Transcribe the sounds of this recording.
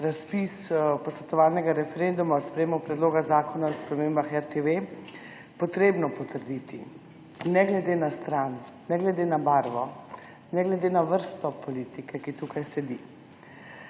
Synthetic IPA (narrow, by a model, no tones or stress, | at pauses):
ɾaspispɔsʋɛt̪ɔʋaːlnɛɡaɾɛfɛɾend̪umaɔspɾɛjemɔpɾɛd̪loːɡazaːkɔnaɔspɾɛmeːmbaxɛɾt̪eʋe | pɔt̪ɾeːbnɔpɔt̪əɾd̪iːt̪i | nɛɡlɛd̪eːnast̪ɾanː | ɛɡlɛd̪eːnabaːɾʋɔ | nɛɡlɛd̪eːnaʋəɾst̪ɔpɔliːt̪ikɛkit̪uːkʰajsɛd̪i